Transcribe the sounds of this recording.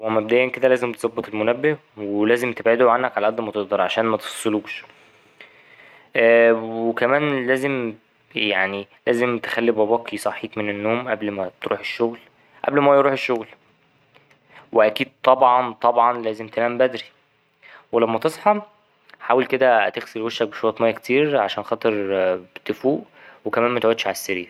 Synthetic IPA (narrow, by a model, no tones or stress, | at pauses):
wæmːæbed̪æːjænked̪ælæːzemt̪ezˤɑbːet̪ˤelmonæbːe | welæːzemt̪ebʕed̪oʕanːækʕalæʔæd̪ːmæt̪eʔd̪ˤɑɾˤʕaʃæːnmæt̪e̥fɑ̥sˤːeluːʃ | ʔæːwekæmæːnlæːzem | jaʕnilæːzemt̪e̥xælːibæbɑːkisˤɑħiːk̪menenːoːmʔæblmæt̪ɾṵːħeʃːoɣl | ʔæ̰blmæjɾuːħeʃːoɣl | weʔækiːd̪̚t̪ˤːɑbʕɑnt̪ˤɑbʕɑnlæːzemt̪elæːmbæd̪ɾi | welæmːæt̪esˤħɑ | ħaːwelked̪æt̪eɣselweʃːæk̚beʃoɾɑt̪ˤmæjːækt̪iːɾʕa̰ʃæːnxɑːt̪ˤeɾbt̪efuːʔ | wekæmæːnmæt̪eʕod̪ʃʕalæsːeɾḭːɾ